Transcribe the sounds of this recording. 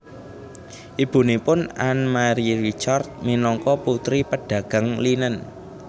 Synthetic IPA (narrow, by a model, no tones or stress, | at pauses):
ʔib̥ṳnepʊnanmaɾiɾit͡ʃart̪̚minɔŋkɔput̪ɾipəɖ̥ä̤ɡ̥a̤ŋlinən